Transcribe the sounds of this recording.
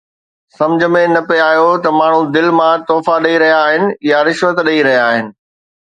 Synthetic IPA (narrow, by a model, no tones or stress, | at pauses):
sɐ̃md͡ʑʱəmẽnɐpeaːjot̪ɐmaːɳ̤ũd̪ɪlmãt̪oːfaɗɐiɾɐɦijaːɦɪnɪ̆jaɾɪʃʋət̪ɗɐiɾɐɦijaːɦɪnɪ̆